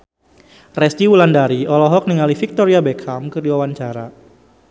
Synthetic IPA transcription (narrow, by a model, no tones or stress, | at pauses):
rɛst̪iwulandaɾiʔɔlɔɦɔk̚niŋalifik̚t̪ɔɾiabɛkʰamkɨrdiwawant͡ʃaɾa